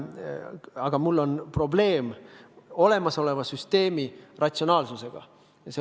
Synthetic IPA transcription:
ɑɡ̥ɑmulːo̞npro̞ble̞ːm | o̞le̞mɑso̞le̞vɑsyst̪e̞ːmirɑtʲsio̞nɑːlsuse̞ɡ̥ɑ̰ | jɑse

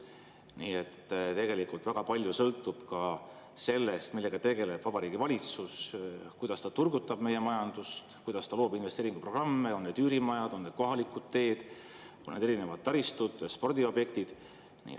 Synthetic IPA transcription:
niːet̪ːt̪e̞ɡe̞likult̪væɡ̥ɑpɑlʲjusɤlt̪ːˑub̥kɑ | se̞lːest̪milːe̞ɡ̥ɑt̪e̞ɡe̞le̞b̥vɑb̥ɑɾiːɡ̥ivɑlʲit̪suskujd̪̥ɑst̪ɑt̪urɡut̪ːˑɑb̥me̞je̞mɑjɑnd̪̥ust̪kujd̪̥ɑst̪ɑloːbinvest̪eːɾiŋɡupro̞ɡ̥rɑmːe̞o̞nne̞d̪yːɾimɑjɑd̪̥o̞nne̞̥ko̞ɦɑlikˑud̪̥̚t̪e̞ːd̪̥ | onːed̪e̞ɾine̞vɑd̪̥̚t̪ːɑɾist̪ud̪̥spo̞rd̪̥io̞b̥je̞kt̪id̪̥ | nḭː

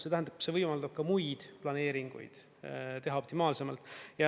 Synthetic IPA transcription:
se̞t̪æɦænɑb̥se̞vɤjmɑld̪ɑb̥̚kɑmujd̪̥plɑne̞ːɾiŋɡ̥ṵjd̪̥ | t̪e̞ɦɑo̞p̚t̪imɑːlse̞mɑlt̪ːˑjɑ

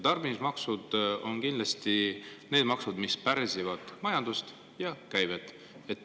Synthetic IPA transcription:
t̪ɑrbinismɑksud̪̥o̞nkind̪lɑst̪ine̞ːd̪mɑksud̪mispærsivɑd̪̥mɑjɑnd̪ust̪ | jɑkæjvet̪ | et̪ːˑ

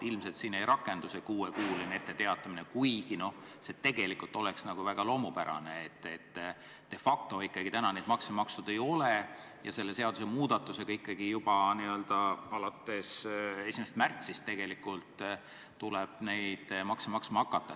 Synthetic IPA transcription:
ilmse̞lt̪siːne̞jɾʔɑkːˑe̞nd̪̥use̞kuːekuːline̞t̪ːe̞t̪e̞ɑt̪ːˑɑminekujɡ̥ino̞ | se̞t̪e̞ɡ̥e̞likult̪ːˑo̞leksnɑɡ̥uvæɡ̥ɑlo̞ːmupæɾɑ̰ne̞ːt̪ːet̪ː | e̞fɑk̚t̪o̞ikːɑɡ̥it̪ænɑne̞jd̪̥mɑksemɑkst̪ud̪̥e̞jo̞le | jɑse̞lːe̞se̞ɑd̪̥us̬emuːd̪̥ɑt̪ːˑuse̞ɡ̥ɑikːɑɡ̥ijub̥ɑniø̞ld̪̥ɑɑlɑt̪ːe̞se̞sʲimest̪mært̪sist̪ːe̞ɡ̥e̞likːˑult̪ː | uleb̥ne̞jd̪̥mɑksemɑksmɑɑkːˑɑt̪ːˑɑ

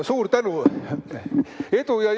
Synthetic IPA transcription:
suːrt̪ænu | et̪ujɑj

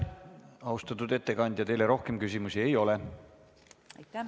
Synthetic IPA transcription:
ɑust̪ɑt̪ːˑud̪e̞t̪ːe̞kɑnʲd̪̥ʲjɑt̪e̞jle̞ɾo̞hke̞mkysʲimusie̞jo̞le̞

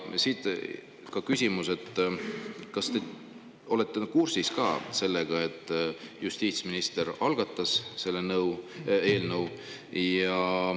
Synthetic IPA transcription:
siːt̪ | kɑkysʲimuse̞t̪ˑː | kɑst̪e̞ | o̞le̞t̪ːˑenkursiskɑ̰ːse̞lːeɡ̥ɑe̞t̪ˑːjust̪iːt̪sminist̪e̞ɾɑlɡ̥ɑt̪ːˑɑsse̞lːe̞nɤwe̞ːlnɤw | jɑ

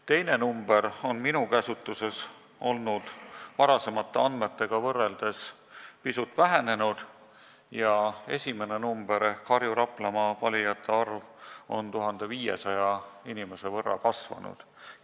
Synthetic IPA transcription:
t̪e̞jne̞numbe̞ɾo̞nminukæsut̪ːˑuse̞s | o̞lnud̪̥vɑɾɑse̞mɑt̪ːe̞ɑnd̪me̞t̪ːe̞ɡ̥ɑvɤrːe̞ld̪̥e̞s | pisut̪ːˑvæɦene̞nud̪̥ | jɑe̞̰sʲime̞ne̞numb̥e̞ɾekʰɑɾjuɾɑpˑlɑmɑvɑlʲijɑt̪ʰːˑeɑrvo̞̰nt̪uɦɑnd̪̥e̞viːje̞̰sɑjɑinime̞se̞vɤrːɑ̰kɑsvɑ̰nṵd̪̥

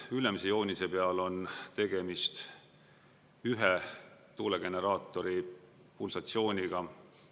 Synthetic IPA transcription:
ylemsejo̞ːnʲise̞pe̞ɑlo̞nt̪e̞ɡ̥e̞mist̪ | yɦet̪uːleɡ̥e̞ne̞ɾɑːt̪ːˑo̞ɾi | pulsɑt̪sio̞ːnʲiɡ̥ɑ

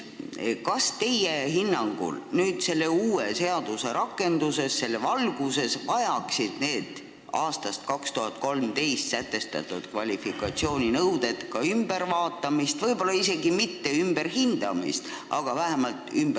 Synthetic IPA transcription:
kɑst̪e̞jeɦinːɑŋɡ̥ṵlnyːd̪̥se̞lːe̞uːe̞se̞ɑd̪̥use̞ɾʔɑkːˑe̞nd̪use̞sːe̞lːevɑlɡ̥use̞svɑjɑksid̪̥ne̞ːd̪̥ | ɑːst̪ɑst̪̚kɑkst̪uɦɑt̪̚ˑko̞lmt̪e̞jst̪sæt̪ːˑe̞st̪ɑ̰t̪ːˑud̪̥kvɑlʲifikːˑɑt̪sio̞ːnʲinɤwd̪̥e̞t̪kɑymb̥e̞ɾvɑːt̪ːˑɑmist̪vɤjbo̞lːɑise̞ɡimit̪ːe̞ymb̥e̞ɾhind̪̥ɑmḭst̪ | ʔɑɡ̥ɑvæɦemɑlt̪ˑymb

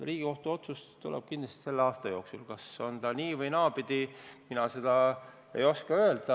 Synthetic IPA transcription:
riːɡ̥iko̞ht̪uo̞t̪sust̪ulɛ̰b̥̚kind̥̪lest̪se̞lːeɑːst̪ɑjo̞ːksulkɑso̞nt̪ɑniːvɤjnɑːbid̪̥iminɑse̞d̪̥ɑ | e̞̰jo̞skɑø̞eld̪̥ɑ

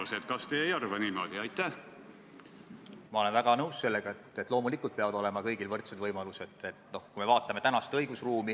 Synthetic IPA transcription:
set̪kɑst̪eːejɑrvɑnimod̪iɑjt̪ˑːæh | mɑo̞le̞nvæɡ̥ɑnɤwsːse̞lːeɡ̥ɑet̪et̪ːˑlo̞ːmulikːˑult̪peɑvɑd̪o̞le̞mɑkɤjɡ̥ilvɤrt̪sed̪vɤjmɑluse̞d̪̥et̪no̞hkujmevɑːt̪ˑːɑme̞t̪ænɑst̪ɤjɡ̥usruːmi

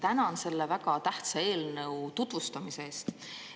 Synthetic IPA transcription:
t̪ænɑnse̞lːevæɡɑt̪æht̪sɑe̞ːlnɤwt̪ut̪vust̪ɑmise̞eːst̪

